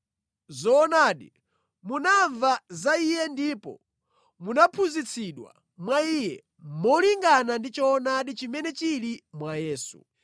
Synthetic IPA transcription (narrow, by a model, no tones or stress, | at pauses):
zɔːnaːɗi | munaɱvazaijɛndipɔ̰ | munapʰuzit͡sʰiɗwa̰ | mwaijɛ | mɔliŋɡanandit͡ʃɔːnaɗit͡ʃimɛnɛt͡ʃilimwajɛːsṵ